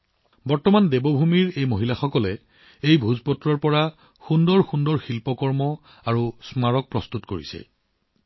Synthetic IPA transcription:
bɔɹtɔmandebɔbʱumiɹejmoɦilaxɔkɔlɛ | ejbʱuzpɔtɹɔɹpɔɹa | xundɔɹxundɔɹxilpɔkɔɹmɔ | aɹusmaɹɔk̚pɹɔstutkoɹḭsɛ̰

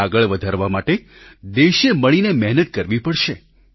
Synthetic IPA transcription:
aɡəɭʋəd̪ʱaɾʋamaʈe | d̪eʃeməɭinemɛɦnət̪̚kəɾʋipəɽʃe

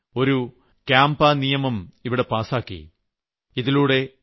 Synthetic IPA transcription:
o̞ɾu | kaːmbaːnijɐmɐmiʋiɽe̞paːsaːkːḭ | iðiluːɽe̞

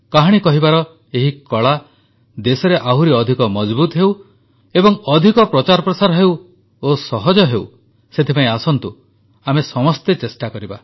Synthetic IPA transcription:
kaɦaɽ̃ikɔɦibaɾɔ | eɦikɔɭa | d̪esɔɾeʔaɦuɾiɔd̪ʱikɔmɔd͡ʒbut̪ɦew | ebɔŋɔd̪ʱikɔpɾɔt͡ʃaɾɔpɾɔsaɾɔɦew | osɔɦɔd͡ʒɔɦew | set̪ʰipaẽasɔnt̪u | amesɔmɔst̪et͡ʃesʈakɔɾiba

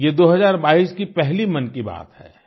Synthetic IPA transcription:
jed̪oːɦɐzaːɾbaːiskipɛɦlimɐnkiba̰ːt̪hɛ̰ː

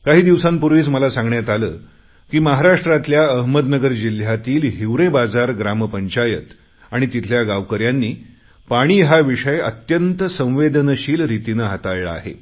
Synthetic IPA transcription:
kaɦiːd̪iʋsãmpuɾʋiːt͡sməlasãŋɡɳjat̪aləː | kiːməɦaɾaʂʈɾat̪ljaəɦməd̪nəɡəɾd͡ʑil̤jat̪iːlɦiʋɾebad͡zaɾɡɾampəɲt͡ɕajət̪ | aɽ̃it̪it̪ʰljaɡaʋkəɾjanːiː | paɽ̃iːɦaʋiʂəjə̰t̪jənt̪əsə̃w̃ʋed̪ənəɕiːlɾit̪inəɦat̪ajɭaa̰ɦḛ

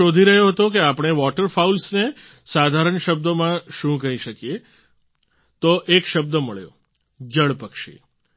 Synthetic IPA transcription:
od̪ʱiɾəɦjoɦət̪okeapɳ̃eʋɔʈəɾfaulsne | sad̪ʱaɾəɳʃəb̚d̪omãʃũkəɦiʃəkije | t̪oʔekʃəb̚d̪əməɭjo̰ | d͡ʒəɭpəkʃḭ

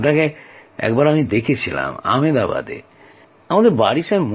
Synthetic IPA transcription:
ʈakeɛ̰kbaɾamid̪ekʰet͡ɕʰila̰ma̰med̪aba̰d̪ḛ | amad̪eɾbaɽiʃam

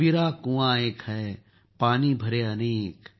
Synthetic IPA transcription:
iɾaːkũːãeːkɦɛ | paːnibʱɐɾeɐneːk

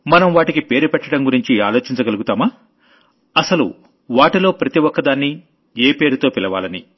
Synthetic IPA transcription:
mɐnɐmʋaːʈikipe̞ːɾupɛʈːɐɽɐmɡuɾiɲt͡ʃiaːlo̞ːt͡ʃiɲt͡ʃɐɡɐluɡut̪aːmaː | ɐsɐlṵ | ʋaːʈilo̞ːpɾɐt̪iʋɔkːɐd̪aːnːi | eːpe̞ːɾut̪o̞ːpilɐʋa̰ːlɐnḭ

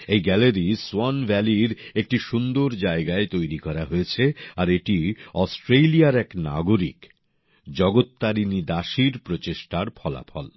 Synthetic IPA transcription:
ejɡɛleɾiswɔnbʱɛliɾek̚ʈiʃund̪oɾd͡ʑaeɡaet̪ojɾikɔɾaɦoet͡ɕʰeaɾeʈiɔsʈɾelijaɾɛkna̰ɡoɾik | d͡ʑɔɡot̪ːaɾinid̪aʃiɾpɾot͡ɕeʃʈaɾpʰɔla̰pʰɔ̰l

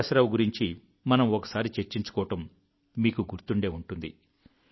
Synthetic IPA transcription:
ɐsɐɾɐmɡuɾiɲt͡ʃi | mɐnɐmɔkɐ̥saːɾit͡ʃe̞ɾt͡ʃiɲt͡ʃu̥kɔːɐʈɐmː | iːkuɡuɾt̪uɳɖe̞ːuɳʈund̪ḭ

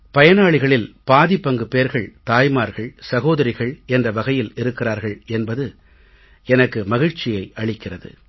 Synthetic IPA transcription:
pɐjɐnaːɭɪɣɐɭɪlpaːðɪpːɐŋɡɯpeːɾɣɐɭt̪aːjmaːɾɣɐɭsɐɣoːðɐɾɪɣɐɭɛndrɐʋɐɣɐjɪlɪɾɯkːɪraːɾɣɐɭɛnbɐðɯ | ɛnɐkːɯmɐɣɪɻt͡ʃːɪjɐɪʔɐɭɪkːɪrɐðɯ̰

